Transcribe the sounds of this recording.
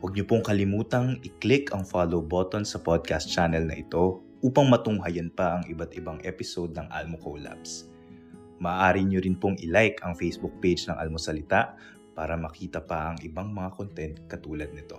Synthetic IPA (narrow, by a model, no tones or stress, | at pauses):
wɐɡ̚ɲopoŋkɐlɪmuːt̪ɐŋʔɪklɪkʰɐŋfalowbot̪onsɐpod̪̚kast̪̚t͡ʃanɛlnɐ̰ʔɪt̪o̞ | ʔuːpɐŋmɐt̪ʊŋɦɐjɐnpɐʔɐŋʔɪbat̪ɪbaŋʔɛpɪsod̪̚nɐŋʔa̰lmokowla̰ps | mɐʔaʔaːɾɪɲoɾɪnpoŋʔɪlajkʰɐŋfejsbuk̚pejd͡ʒnɐŋʔa̰lmosɐlɪt̪aʔ | paːɾɐmɐkiːt̪ɐpɐʔɐŋʔɪbaŋmɐŋakont̪ɛnt̪̚kɐt̪uːlɐd̪̚nɪt̪o̞